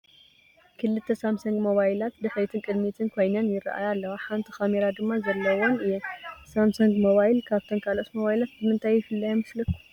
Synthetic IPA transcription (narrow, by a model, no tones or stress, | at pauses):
kʰɨlɨt̪ʰːɐsamsɐŋɡmo̞βajilat̪d̪ɨħɾit̪ʰɨkʼɨd̪mit̪ʰɨnkʰo̞jnjanjɪra̰ʔa̰jalːɐwaħant̪ʰixameɾad̪ɨmːazɐlːɐwonɨjɛsamsuŋɡmoβajlkʰaβt̪ʰonkʰalot̪mo̞βajlat̪̚bɨmɨnt̪ʰajːɪfɨlːajɛmɨslɐkːu̥